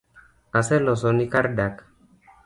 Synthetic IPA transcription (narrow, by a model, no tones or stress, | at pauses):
asɛlɔs̬ɔnikaɾdak